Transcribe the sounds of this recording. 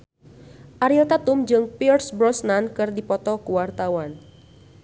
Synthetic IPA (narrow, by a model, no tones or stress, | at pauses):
ʔaɾilt̪at̪ʊmd͡ʒɨŋpirsbɾɔsnankɨrdipɔt̪ɔkuwart̪awan